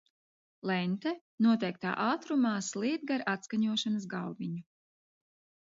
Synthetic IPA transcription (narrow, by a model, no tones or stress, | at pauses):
lˠɛnʲt̪ɛ | nuɔt̪ɛjk̚t̪a̰ːʔaːt̪ɾumaːslˠiːd̪̚ɡaɾat̪skaɲuɔʃanɐs̬ɡawviɲu